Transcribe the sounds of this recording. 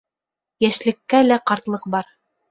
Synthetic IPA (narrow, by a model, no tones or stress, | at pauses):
jæʃlɘ̆kːælæqɑɾt̪lˠɤqbɑɾ